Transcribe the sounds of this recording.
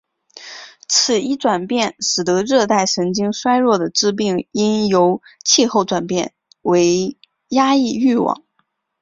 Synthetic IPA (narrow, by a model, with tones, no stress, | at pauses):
t͡sʰɹ̩˨˩i˥ʈ͡ʂwa˨˩npjɛ˥˩nʂɻ̩˨˩t̪ɤ˧˥ɻɤ˥˧t̪a˥˩ɪʂɤ˧˥ŋt͡ɕi˥ŋʂwa˥ɪɻwɔ˥˩d̪ə˩ʈ͡ʂɻ̩˥p̬i˥˩ŋi˥njo˧˥ʊt͡ɕʰi˥˧xo˥˩ʊʈ͡ʂwa˨˩npjɛ˥˩n | we˧˥ɪ | ja˥i˥˧y˥˩wɑ̰˨˩˦ŋ